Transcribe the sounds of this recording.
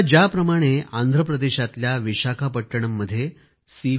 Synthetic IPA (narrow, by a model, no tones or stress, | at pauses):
d͡ʑjapɾəmaɽ̃eand̪ʱɾəpɾəd̪eɕat̪ljaʋiɕakʰapəʈːəɳ̃əmːəd̪ʱːje | si